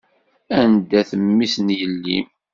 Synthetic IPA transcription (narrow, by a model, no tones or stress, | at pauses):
ænd̪æθəmːisnjəlːḭm